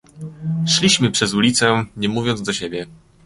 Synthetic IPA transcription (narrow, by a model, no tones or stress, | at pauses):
ʂlʲiɕmɘpʂɛzulʲit̪sɛɲɛmuvʲjɔnzd̪ɔɕebʲjɛ